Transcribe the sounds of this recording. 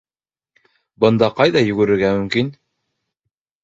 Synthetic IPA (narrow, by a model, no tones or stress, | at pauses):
bɤ̆nd̪ɑqɑjðɑjɵ̆ɡɵ̆ɾɘ̆ɾɡæmɵ̆mkin